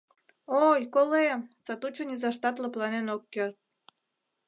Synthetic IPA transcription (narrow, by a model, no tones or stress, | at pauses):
ojkolemt͡sɑt̪ut͡ɕonʲizɑʃt̪ɑt̪ləplɑnenokːørt̪̚